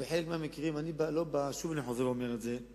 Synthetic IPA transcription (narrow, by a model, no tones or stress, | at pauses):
veħelek̚meamekiʁimanibalo̞baʃuvaniħozeveomeʁetze̞